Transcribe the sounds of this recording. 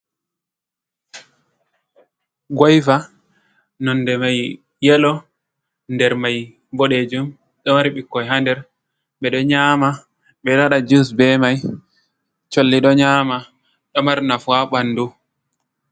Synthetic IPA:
ɡɔjfa | nɔndɛmajː | ɛlɔ | ndɛɾmaj | bɔɗed͡ʒum | ɗɔmaɾɓikːɔjɦandɛɾ | ɓɛɗɔɲaːma | ɓɛɗaɗad͡ʒusbɛmaj | t͡ʃolːiɗɔɲaːma | ɗɔmaɾnafuaɓanːdu

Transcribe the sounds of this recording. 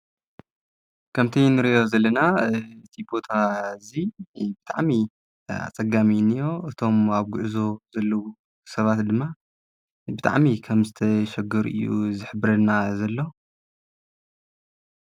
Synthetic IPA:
kʰɐmt̪ʰɐjnɨɾiʔo̞zɐlːɐnaɨt̪ʰibot̪ʰazibɨt̪ʰʼaʕmi | a̰t͡sʼɐɡaminijo̞ʔɨt̪ʰo̞maβɡuʕzo̞zɐlːɐwu | sɐβat̪d̪ɨmːa | bɨt̪ʰa̰ʕmikʰɐmzɨt̪ʰɐʃɐɡɐɾʔɨ̰jːṵzɨħɨbɨɾɐnazɐlːo

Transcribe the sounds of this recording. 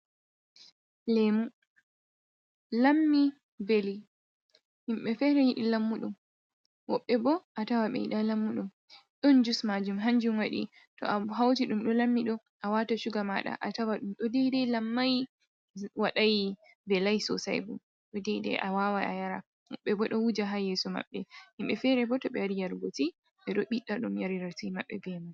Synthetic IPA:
lemu | lamːi | beli | himɓɛfɛɾɛjiɗilamːuɗum | wɔɓːɛbɔʔatawaɓɛ̰jḭɗalamːuɗum | ɗɔnd͡ʒusmad͡ʒumɦaɲd͡ʒumwaɗḭ | tɔ̰ʔaɦawtiɗumɗɔlamːiɗɔ | ʔawataʃuɡamaɗa̰ʔatawaɗumɗɔdɛjdɛlamːaj | waɗaj | bɛlajsɔ̰sa̰jbṵm | ɗɔdɛjdɛ̰ʔawawaʔa̰jaɾa̰ | wɔ̰ɓːɛbɔɗɔwud͡ʒaɦajesuma̰ɓːɛhimɓɛfɛɾɛbɔtɔɓɛwaɾijaɾɡoti | ɓɛɗɔɓiɗaɗumjaɾiɾatimaɓːɛbɛmaj

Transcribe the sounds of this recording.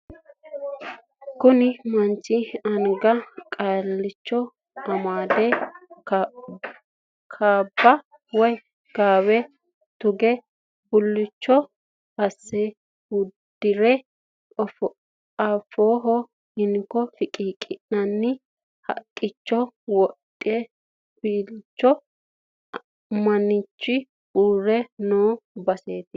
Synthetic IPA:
kʊnɪmɐnt͡ʃːɪɐŋɡɐkʼaːlːɪt͡ʃːɔ | ɐmaːd̪ɛ | kʰaːbːɐ | wɔj | ɡ̥aːwɛ | t̪ʊɡɛ | bʊlːɪt͡ʃːɔ | ɐsːɛ | hʊd̪̥ɪɾɛ | ɔf | afoːɦɔ | hɪnkːɔfɪkʼiːkʼɪʔnɐnːɪ | hɐ̰kʼːɪt͡ʃːɔwɔtʼːɪɛ | b̥iːlt͡ʃːɔ | mɐnɪt͡ʃːɪ | uːɾɛnoːbɐseːt̪ɪ

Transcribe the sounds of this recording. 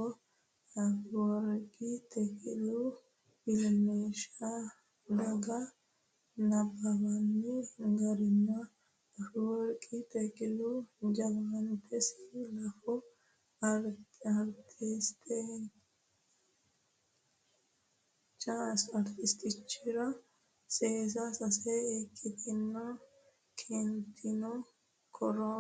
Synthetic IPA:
ɔ | ɐfɪwɔɾkʼɪt̪ʰɛkʼɪlʊ | bɪlneːʃɐ | d̪ɐɡɐ | nɐbɐbɐnːɛɡɐɾɪnːɐ | ɐfwɔɾkʼɪt̪ɛkʼɪlʊd͡ʒɐɡɐnt̪ʰɛslɐfɔ | ɐɾt̪ʰɪst̪ɛ | t͡ʃasɐɾt̪ɪst̪ɪt͡ʃːɪɾɐ | seːs̬ɐsɐseekʼːɪt̪ɪnːo | kʰɛnt̪ʰɪnɔ | kʰɔɾo

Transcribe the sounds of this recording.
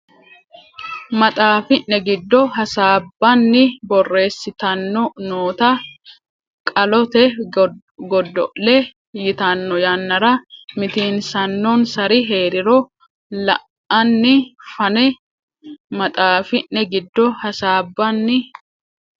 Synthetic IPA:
mɐt̪ʼaːfɪnːɛɡɪd̪ːɔɦɐsaːbːɐnːɪbɔrːe̞ːsːɪt̪ɐnːɔnoːt̪ɐ | kʼɐlɔt̪ɛ | ɡɔd̪ːɔ̰ʔɛ | jɪt̪ɐnːɔjɐnːɐɾɐmɪt̪iːnsɐnːɔnsɐɾɪɦe̞ːɾɪɾɔ | lɐ̰ʔ | ɐnːɪfɐnɛ | mɐt̪ʼaːfɪnːɛɡɪd̪ːɔhɐsaːbːɐnːɪ

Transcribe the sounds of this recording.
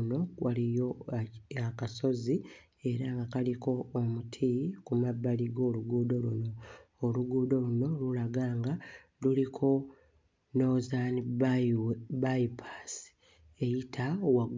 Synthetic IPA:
no̞walijo | akaso̞zi | e̞ɾaŋɡakaliko̞ːmutʰikumabːaliɡo̞ːluɡuːdo̞luno̞ːluɡuːdo̞luno̞lulaɡaːŋɡa | lulikʰo̞ | no̞zan | bajipʰasi̥ | e̞jitʰawaɡ

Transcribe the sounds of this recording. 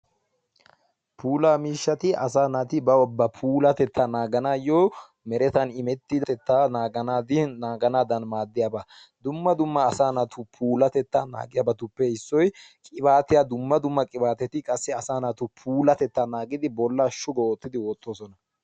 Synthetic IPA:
pʰuːlaːmiːʃːɐt̪ɪʔɐ̰s̬aːnɐt̪ɪbɐwɔbːɐpʰuːlɐt̪ɛt̪ʰːanaːɡɐnaːjɔ | mɛɾɛt̪ɐnɪmɛt̪ːɪd̪ɐɛt̪ːanaːɡɐnaːd̪ɪnaːɡɐnaːd̪ɐnmaːd̪ːɪjaːba | d̪ʊmːɐd̪ʊmːɐːsaːnɐt̪ʊpʰuːlɐt̪ɛt̪ːaːna̰ːɡɪjaːbɐt̪ʊpːɛhɪsːɔjkʼɪβaːt̪ɪjad̪ʊmːɐd̪ʊmːɐkʼɪbaːt̪ɛt̪ɪkʼɐsːɛɐsaːnɐt̪ʊpʰuːlɐt̪ɛt̪ːanaːɡɪd̪ɪbɔlːaʃʊɡɔoːt̪ːɪd̪ɪwoːt̪ːo̞ːsɔnɐ

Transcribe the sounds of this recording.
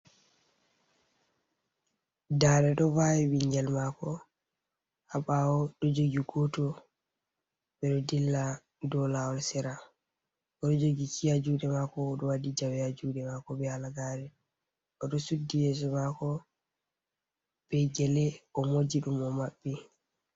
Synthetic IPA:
daɾɛɗɔvawiɓiɲɡɛlmakɔ | haɓawɔɗɔd͡ʒoɡiɡɔtɔ | ɓɛɗɔdilːa | dɔlawɔlsɛɾa | ɔɗɔd͡ʒoɡikʰijad͡ʒuɗɛmakɔːɗɔwadid͡ʒawjad͡ʒuːɗɛmakɔbɛalaɡaɾɛ | ɔɗɔsudːijɛs̬ɔmakɔ | b̥ɛɡɛlɛɔmod͡ʒiɗumɔmaɓːi

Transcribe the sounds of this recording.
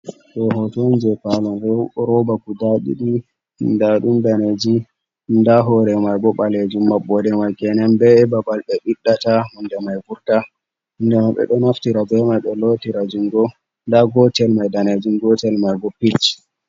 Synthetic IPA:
ɗɔɦɔtɔnd͡ʒɛpalɔnɾɔbakudaɗḭɗi | ndaɗumdaned͡ʒi | ndaɦɔɾɛmajɡɔɓaled͡ʒimːaɓːɔdɛmajɡɛnɛmbɛbabalɓɛɓiɗːatamɔndɛmajbuɾta | ndɛmaɓɛ̰ɗɔnaftiɾabɛmajɓɛlotiɾad͡ʒuŋɡɔ | ndaɡɔtɛlmajdaned͡ʒiŋɡɔtɛlmajɡɔpit͡ʃ

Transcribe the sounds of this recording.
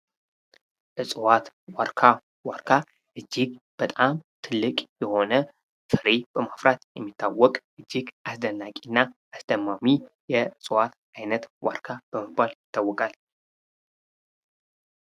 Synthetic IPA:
ʔɨsʼɨwat̪ | waɾkʰa | waɾkʰa | ʔɨd͡ʒːiɡb̥ət̪ʼamt̪ʰɨlːɨkʼjɛho̞nə | fɨɾeb̥əmafɾat̪jɛmːit̪ʰːawɔkʼʔɨd͡ʒːiɡʔasd̪ənːakʼinːaʔːsd̪̥əmami | jɛɨsʼwat̪ʔajnət̪wa̰ɾkʰab̥əməbaljɪt̪ʰːawːɔkʼal

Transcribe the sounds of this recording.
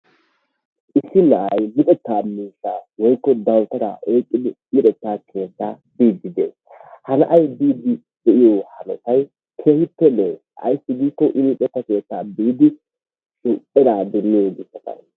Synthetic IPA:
ʔɪsːɪlɐʔɐjlɪpʼɛt̪ːaːmiːʃːaːwɔjkːɔd̪ɐwt̪ɐɾa̰ːʔeːkʼːɪd̪ɪlɪᶑɛt̪ːaːkʰe̞ːt͡sːa̰ː | biːd̪ːɪd̪ḛːs | hɐnɐʔɐjbiːd̪ɪ | d̪ɛʔɪjoːhɐnɔsɐj | kʰeːhɪpːɛleː | ɐ̰jsːɪɡiːkːɔʔɪlɪtʼɛt̪ːɐke̞ːt͡sːaːbiːd̪ɪ | t͡ʃʊpʼːɛd̪aːd̪ɛnːɪjoːɡɪsɐt̪ɐ̰j

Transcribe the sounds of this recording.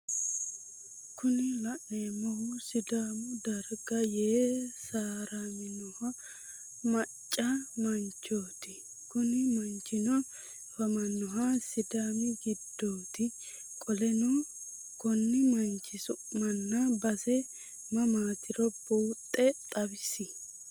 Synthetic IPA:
kʊnɪlɐʔeːmɔhʊsɪd̪aːmʊd̪ɐɾɡɐjeːsaːɾamɪnɔhɐ | mɐt͡ʃʼːɐmɐnt͡ʃːoːt̪ɪ | kʊnɪmɐnt͡ʃːɪnɔ | fɐmɐnːɔɦɐsɪd̪aːmɪɡɪd̪ːoːt̪ɪ | kʼɔlɛnɔ | kɔnːɪmɐnt͡ʃːɪsʊʔmɐnːɐbɐsɛ | mɐmaːt̪ɪɾɔboːt̪ʼːɛt̪ʼɐbɪsɪ

